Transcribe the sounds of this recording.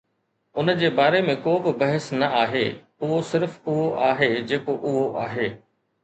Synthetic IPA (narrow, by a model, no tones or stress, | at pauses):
ʊnəd͡ʑeːbaːɾemẽkoːbɪbɐɦəsnɐaːɦeː | ʊɦosɪɾfʊɦoʔaːɦed͡ʑeːkoʔʊɦoʔa̰ːɦeː